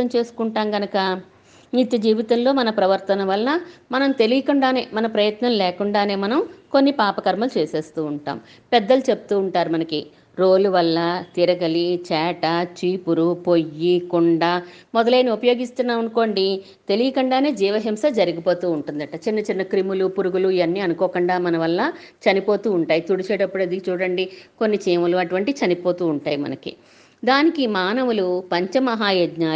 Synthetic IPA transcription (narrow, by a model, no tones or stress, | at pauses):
ɐmt͡ʃe̞ːsu̥kuɳʈaːmɡɐnɐkɐ | nit̪jɐd͡ʒiːʋit̪ɐmlo̞ːmɐnɐpɾɐʋɐɾt̪ɐnɐʋɐlnɐmɐnɐmt̪e̞lijɐkuɳɖaːne̞̰ːmɐnɐpɾɐjɐt̪nɐmlɛːkuɳɖaːne̞ːmɐnɐmko̞nːipaːpɐkɐɾmɐlut͡ʃeːse̞ːst̪uːɳʈa̰ːm | pɛd̪ːɐlut͡ʃe̞pu̥t̪uːɳʈaːɾumɐnɐki | ɾo̞ːluʋɐlːɐt̪iɾɐɡɐlit͡ʃɛːʈɐt͡ʃiːpuɾupo̞jːikuɳɖaːmɔd̪ɐleːnːiupɐjo̞ːɡist̪unːaːunko̞ːɳɖi | t̪e̞lijɐkɐɳɖaːne̞ːd͡ʒiːʋɐɦemsɐd͡ʒɐɾiɡipo̞ːt̪uːuɳʈund̪ɐʈɐt͡ʃinːɐt͡ʃinːɐkɾimulupuɾuɡuluiʋɐnːiːɐnukɔːkuɳɖaːmɐnɐʋɐlːɐ | t͡ʃɐnipo̞ːt̪uːɳʈaːjit̪uɽut͡ʃɛːɽɐpːuɽɐd̪ikit͡ʃuːɽɐɳɖikonːit͡ʃiːmɐluɐʈuʋɐɳʈit͡ʃɐnipoːt̪uːuɳʈaːjimɐ̰nɐkḭ | d̪aːnikimaːnɐʋulupɐɲt͡ʃɐmɐɦaːjɐd̪ɲaː